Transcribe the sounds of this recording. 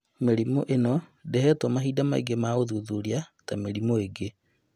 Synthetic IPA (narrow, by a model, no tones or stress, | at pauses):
meɾimoʔenɔdeɦɛtwɔmaɦiːdama̰ḭɡemaːɣoðuðuɾiatameɾimoeɡe